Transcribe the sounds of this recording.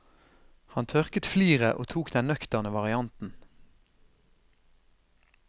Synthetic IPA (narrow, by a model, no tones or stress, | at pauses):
hɑnt̪ʰœʁkət̪fliːʁəʔo̰ːt̪ʰuːkd̪ɛnnœkt̪əʁnəʋɑʁɪɑnt̪n̩